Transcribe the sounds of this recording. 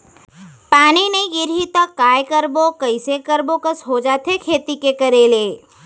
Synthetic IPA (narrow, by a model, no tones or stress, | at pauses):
paːnineɡɪɾɦit̪əkːaːjkəɾbokəɪsekəɾbokəsɦod͡ʒaːt̪ʰekʰeːt̪ikekəɾeːleː